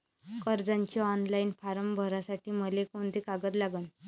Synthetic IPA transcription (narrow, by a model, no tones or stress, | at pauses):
kəɾd͡zaɲt͡ɕaɔnlainfaɾəmbʱəɾasaʈiːməlekoɳd̪ekaɡət̪laɡən